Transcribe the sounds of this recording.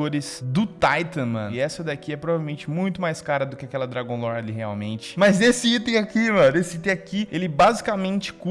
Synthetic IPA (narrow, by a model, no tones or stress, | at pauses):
oɾɪzd̪ʊt̪ajt̪ɐ̃mɐ̰̃nʊɪɛsɐd̪akiɛpɾovavewmẽnt͡ʃɪmũj̃t̪ʊmajskaɾɐd̪ʊkɪakɛlɐd̪ɾaɡõlɔɾlɪɦea̰wmḛ̃nt͡ʃɪ̥mɐzesɪit̪ẽj̃akimɐ̃nesɪit̪ẽj̃akielɪbazikamẽnt͡ʃɪ̥ku